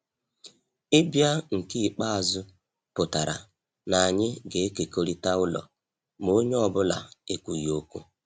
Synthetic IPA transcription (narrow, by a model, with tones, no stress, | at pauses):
ɪ˦bja˦ŋ̩˨ki˦˨k͡pa˦a˨zʊ˦ | pʊ˨ta˨ɾa̰˨ | na˨ɲɪ˦ɡe˨˦ke˨ko˦ɾi˦ta˦ʊ˦lɔ̰˨ | mo˦ɲ˦ɔ˨bʊ˦la̰˨e˦kʷu˨jo˦kʷu˦